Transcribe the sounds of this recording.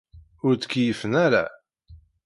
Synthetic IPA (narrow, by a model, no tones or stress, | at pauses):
ʊɾt͡s̪ə̥kːjəfənæɾa̰